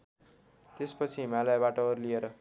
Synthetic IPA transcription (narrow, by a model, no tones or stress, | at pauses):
t̪espʌt͡sʰiɦimalajbaʈʌʌɾlieɾʌ